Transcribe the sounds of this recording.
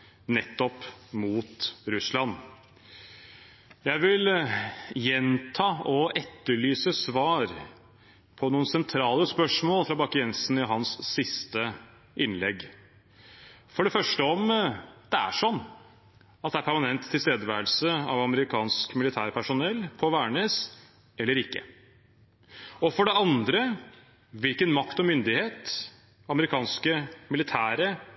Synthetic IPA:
nɛt̪ːɔpmuːt̪ɾʉslɑnː | jæɪʋɪl | jɛnt̪ʰɑːɔʔɛt̪ːəɭyːsəsʋɑːɾ | pʰɔnuːənsɛnt̪ʰɾɑːləspœʂmoːlfɾɑːbɑkɪɛnsnɪɦɑnsːɪst̪ə | ʔɪnlɛɡ | fɔɖɛfœʂʈəɔmd̪̥ɛæ̰ʂɔnː | ɑt̪d̪ɛæɾpʰæɾmɑnɛnt̪ʰːɪlst̪eːd̪əʋæːəlsəɑ̰ʋɑməɾɪkʰɑːnskmɪlɪt̪ʰæːɾpʰæʂʊnɛlːpʰɔʋæːɳeːs | ɛlːəɾɪkːə̰ | ɔfɔɖɛɑnd̪ɾə | ʋɪlkənmɑkt̪ɔmʏnd̪ɪheːt̪ | ɑməɾɪkʰɑːnskəmɪlɪt̪ʰæːɾə

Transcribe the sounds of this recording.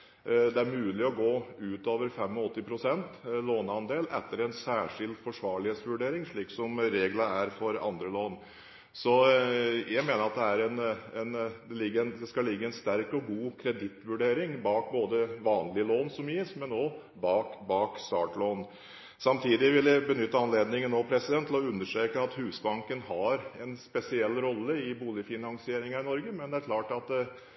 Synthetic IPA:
d̪ɛæɾmʉːlɪɔɡoːʉːt̪oːʋəɾfɛmɔɔt̪ːɪpʰɾʊsɛnt̪loːnɑnd̪eːlɛ̰t̪ːəɾɛnsæːʂɪld̪fɔʂʋɑːɭɪheːt̪sʋʉɖeːɾɪŋʂɭiːksɔmɾeːɡlɑæɾfɔɾɑ̰nd̪ɾəloːn | sɔ | jæɪmeːnəɾɑt̪̚d̪ɛæɾɛnɛnd̪ɛlɪɡːəɛnd̪ɛskɑlɪɡːəɛnst̪æɾkɔɡuːkʰɾɛd̪ɪt̪ːʋʉɖeːɾɪŋbɑːk̚boːd̪əʋɑːnlɪəloːnsɔmjiːsmɛnoː | bɑːkbɑːkst̪ɑːʈloːn | sɑmt̪ʰiːd̪ɪʋɪlːəbənʏt̪ːəɑnleːd̪nɪŋənoːpʰɾɛsɪd̪ɛnt̪ʰlɔʉnːəʂʈɾeːkəɑt̪hʉːsbɑŋkənhɑɾɛnspɛsɪɛlːɾɔlːəɪbuːlɪfɪnɑŋsɪeːɾɪŋɑɪnɔɾɡəmɛnd̪ɛæɾkʰlɑːʈɑt̪

